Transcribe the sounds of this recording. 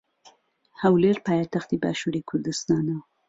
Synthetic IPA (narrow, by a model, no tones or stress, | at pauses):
hawleɾpɑːjat̪axt̪ibɑ̰ʃuɾikʰʊɾd̪ɨst̪ɑːnaw